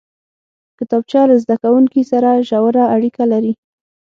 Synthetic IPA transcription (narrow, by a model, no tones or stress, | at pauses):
kɪt̪ɑb̚t͡ʃɑlazd̪akawuŋkisaɾaʒawɾaːɽikalaɾi